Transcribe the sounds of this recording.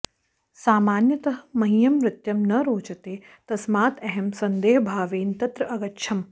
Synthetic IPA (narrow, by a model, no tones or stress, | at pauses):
saːmaːnjɐt̪ɐɦmɐɦijɐmʋɾɪt̪jɐmnɐɾoːt͡ʃɐt̪eː | t̪ɐsmaːt̪ɐɦemsɐnd̪eːɦɐbʱaːʋeːnt̪ɐt̪ɾɐʔɐɡɐtːʃʰɐm